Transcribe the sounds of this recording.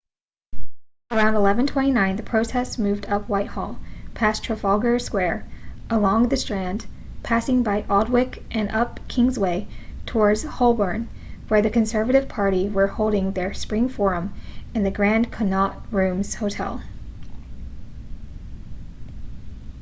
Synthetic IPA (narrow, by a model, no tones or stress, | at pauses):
ə˞ãʊ̃ndəlɛvɨ̃ntʰw̥ɛ̃ɾ̃inãɪ̃nðɨpʰɹ̥oʊtʰɛstsmʉvdʌpʰwaɪt̚hɔ̰lˠpʰæstʰɹ̥əfɑlˠɡə˞skwɛɹʔəlɔ̃ŋðɨstɹ̥æ̃n | pʰæsɪ̃ŋbaɪʔɔd̚wɪk | ʔɨ̃nʔʌp̚kʰɪ̃ŋzweɪtʰəɔɹdz̥hɔlˠbəɹn | wə˞ðɨkɨ̃nsɜ˞vɨɾɨv̥pʰɑɹɾiwə˞hoʊlˠdɪ̃ŋðə˞spɹɪ̃ŋfɔɹə̃mɨ̃nðɨɡɹæ̃nkʰɨdⁿnɑt̚ɹʉ̃mz̥hoʊtʰɛ̰lˠ